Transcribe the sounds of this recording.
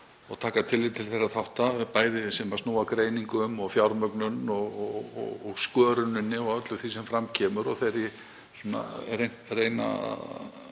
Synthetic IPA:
ɔɣt̪ʰaːkat̪ʰɪlɪt̪ʰɪlθejrːaθawht̪apaːjðɪsɛmast̪uːwakɾeːjniŋkʏmɔɣfjawɾmœknʏnɔɣɔɣɔ̰ɔskœːɾʏnʏnːɪɔɣœt̪lʏθisɛmfɾamcʰɛːmʏɾɔθejɾɪ | sunːa̰rejnreːjna̰

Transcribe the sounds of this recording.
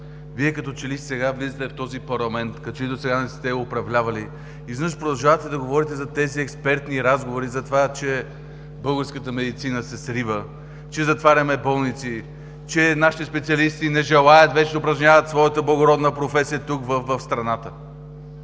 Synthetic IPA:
viɛkɐt̪ɔt͡ʃɛlist̪sɛɡavlizət̪ɛft̪ɔzipɐɾlˠɐmɛnt̪kɐt͡ʃit̪osɛɡanɛst̪ɛʊpɾɐvlʲavɐli | iznəʃpɾod̪ɐlˠʒavət̪ɛd̪ɐɡovɔɾit̪ɛzɐt̪ɛziɛkspɛɾt̪niɾazɡovoɾizɐt̪ovat͡ʃɛ | bɤlˠɡəɾskət̪əmɛd̪it̪sinəsɛsɾivə | t͡ʃɛzɐt̪vaɾʲɐmɛbɔlˠnit̪si | t͡ʃɛnaʃit̪ispɛt̪siɐlist̪inɛʒɛlˠajət̪vɛt͡ʃɛd̪ɐʊpɾɐʒnʲjavət̪svɔjət̪əblˠɐɡoɾɔd̪nəpɾofɛsijət̪ukvəfvəfst̪ɾɐnat̪ə

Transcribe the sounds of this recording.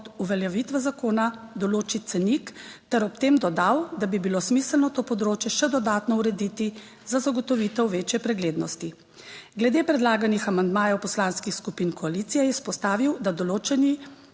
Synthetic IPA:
t̪uʋɛljaʋit̪ʋɛzakoːnad̪ɔloːt͡ʃit̪sɛnikt̪ɛɾɔpt̪eːmd̪ɔd̪awd̪abibiloːsmiːsəlnɔt̪oːpɔd̪ɾoːt͡ʃjɛʃɛd̪ɔd̪aːt̪nɔuɾɛd̪iːt̪i | zazaɡɔt̪ɔʋiːt̪ɛwʋeːt͡ʃjɛpɾɛɡleːd̪nɔst̪i | ɡlɛd̪eːpɾɛd̪laːɡanixamand̪maːjɛwpɔslaːnskixskupinkɔalit̪sijɛjɛspɔst̪aːʋiwd̪ad̪ɔloːt͡ʃɛni

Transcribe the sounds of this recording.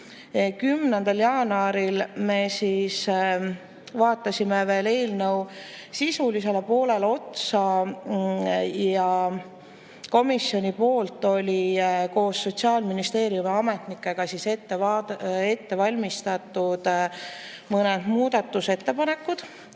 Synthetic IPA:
kymnend̪ɑljɑːnɑɾilme̞siːs | vɑːt̪ːˑɑsʲime̞ve̞ːle̞ːlnəw | sisulise̞lpo̞ːle̞lo̞t̪sɑ | jɑ | ko̞misjo̞nʲipo̞ːlt̪ːˑo̞lʲiko̞ːsːo̞t̪ʲsiɑːlminist̪e̞ːɾiumiɑme̞t̪nikːˑe̞ɡ̥ɑsiset̪ːevɑe̞t̪ːe̞vɑlʲmist̪ɑt̪ːˑud̪̥ | mɤned̪̥muːd̪̥ɑt̪ːuse̞t̪ːe̞pɑne̞kːˑud̪̥

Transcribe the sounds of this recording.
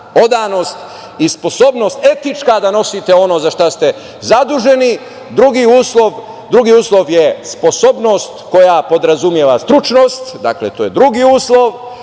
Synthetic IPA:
o̞d̪ano̞ːst̪ | ispo̞so̞ːbno̞st̪e̞t̪it͡ʃkad̪ano̞sit̪e̞o̞no̞ːzaʃt̪ast̪e̞ | zad̪uʒe̞ni | d̪ɾuɡiuːslˠo̞ʋ | d̪ɾuɡiuːslˠo̞ʋjespo̞so̞ːbno̞st̪ko̞japo̞d̪ɾazumjeʋast̪ɾut͡ʃno̞ːst̪d̪a̰klḛt̪ojed̪ɾuɡiuːslˠoʋ

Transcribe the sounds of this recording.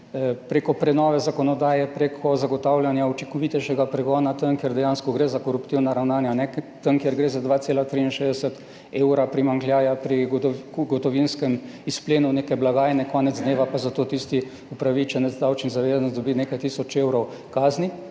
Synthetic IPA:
pɾeːkɔpɾɛnɔːʋɛzakɔnɔd̪aːjɛpɾeːkʰɔzaɡɔt̪aːwlʲjanjaut͡ʃikɔʋit̪ɛʃɛɡapɾɛɡɔːnat̪ənkjeɾd̪ɛjanskɔɡɾezakɔɾupt̪iwnaɾawnaːnjanɛt̪əŋkjeɾɡɾeːzad̪ʋaːt̪seːlat̪ɾiinʃeːzd̪ɛsət̪ | eːwɾapɾimaŋklʲjaːjapɾiɡɔt̪ɔʋinskɛm | ispleːnuneːkɛblaɡaːjnɛkɔːnɛd̪zd̪neːʋapazat̪oːt̪ist̪i | upɾaʋit͡ʃɛnzd̪awt͡ʃnizaʋeːzanɔd̪ɔbinekajt̪isɔt͡ʃewɾɔw | kaːzni

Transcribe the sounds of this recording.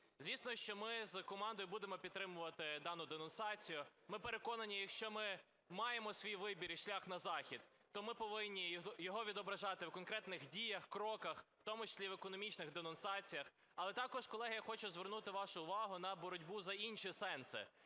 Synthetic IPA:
zʲʋʲisnɔʃt͡ʃɔmɪzkɔmɑnd̪ɔjʊbud̪emɔpʲid̪̚t̪ɾɪmʊʋɐt̪ɪd̪ɑnʊd̪enʊnsɑt͡sʲijʊmɪpe̞ɾekɔnɐnʲijɐkʃt͡ʃɔmɪ | mɑjemɔsʲʋʲijʋɪbʲiɾiʃlʲaxnɐzɑxʲid̪̥ | t̪ɔmɪpɔʋɪnʲːijɔɦɔʋʲid̪ɔbɾɐʒɑt̪ɪwkɔnkɾɛt̪nɪxdʲijɐxkɾɔkɐxwt̪ɔmʊt͡ʃɐ̥sʲlʲiʋekɔnɔmʲit͡ʃnɪɣd̪enʊnsɑt͡sʲijɐx | ɐlˠɛt̪ɑkɔʃkɔlˠɛɦɐjɐxɔt͡ʃʊzʋernut̪ɪʋɑʃʊʊʋɑɦʊn̪ɐbɔɾɔdʲbuzɐinʃisɛnsɪ̰

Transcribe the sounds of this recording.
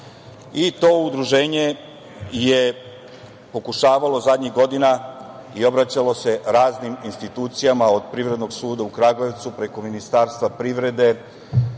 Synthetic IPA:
it̪o̞ːud̪ɾuʒe̞ːɲe̞ | je | po̞kuʃaːʋalo̞zad̪ɲiɣɡo̞d̪inaio̞bɾat͡ɕalo̞se̞ɾaːzniminst̪it̪uːt̪sijamao̞d̪pɾiʋɾe̞d̪no̞ɡsuːd̪aukɾaːɡlojeʋt̪supɾe̞ko̞minist̪aːɾst̪ʋapɾiʋɾe̞d̪e̞

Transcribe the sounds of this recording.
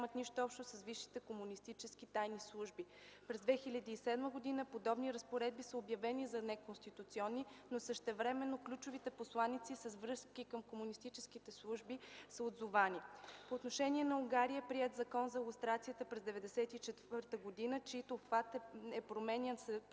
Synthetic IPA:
mət̪niʃt̪oɔpʃt̪osəsviʃːi̥t̪ɛkomunist̪it͡ʃɛsk̟it̪ajnislˠuʒbipɾɛzd̪vɛxilʲɐd̪iːsɛd̪məɡod̪inəpod̪ɔbniɾəspoɾɛd̪̚bisəobjɐvɛnizɐnɛkonst̪it̪ut̪siɔnːinosəʃt̪ɛvɾɛmɛnːoklʲut͡ʃovit̪ɛposlˠanit̪sisɐzvɾɤskikəmkomunist̪it͡ʃɛskit̪ɛslˠuʒbisəod̪zovanipoːt̪noʃɛniɛnɐuɡaɾiəɛpɾiɛt̪zɐkɔnzɐlˠust̪ɾat̪sijət̪əpɾɛzd̪ɛvɛd̪ɛsɛt̪it͡ʃɛt̪vəɾt̪əɡod̪inət͡ʃɛit̪oːxvat̪ɛɛpɾomɛnʲɛnsɛ

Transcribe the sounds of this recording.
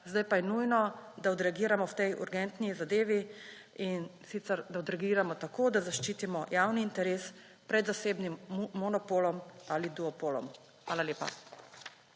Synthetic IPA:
zd̪ajpajɛnujnɔd̪aɔd̪ɾɛaɡiːɾamɔwt̪ɛjʔṵɾɡɛnt̪nizad̪eːʋi | insit̪sɛɾd̪aɔd̪ɾɛɡiːɾamɔt̪akoːd̪azaʃt͡ʃiːt̪imɔjawniːnt̪ɛɾeːs | pɾɛd̪zaseːbnimːɔnɔpoːlɔmalid̪uɔpoːlɔ̰m | xʋaːlalʲeːpa̰

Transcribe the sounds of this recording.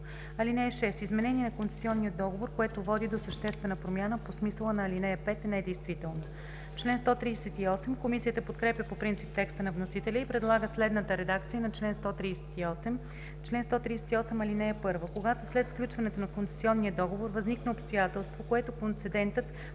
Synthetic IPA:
ɐlinɛjəʃɛst̪izmɛnɛniɛnɐkont̪ɛ̥sʲiɔnːiəd̪ɔɡovoɾkoɛt̪ovɔd̪id̪osəʃt̪ɛst̪vɛnəpɾomʲjanəposmisəlˠənɐːlinɛjəpɛt̪ɛnɛd̪ɛjst̪vit̪ɛlˠno | t͡ʃlɛnst̪ɔt̪ɾiːsɛt̪iɔsɛmkomisijət̪əpot̪kɾɛpʲjəpopɾint̪sip̚t̪ɛkst̪ənɐvnosit̪ɛlʲəipɾɛd̪lˠaɡəslɛd̪nət̪əɾɛd̪akt̪sijənɐt͡ʃlɛnst̪ɔt̪ɾiːsɛ̥t̪iɔsɛm | t͡ʃlɛnst̪ɔt̪ɾiːsɛt̪iɔsɛmɐlinɛəpɤɾvəkoɡat̪oslɛt̪fklʲut͡ʃvɐnɛt̪onɐkont̪sɛ̥siɔnːiəd̪ɔɡovoɾvɐzniknəopst̪ojat̪ɛlˠst̪vokoɛt̪okont̪sɛd̪ɛnt̪ət̪

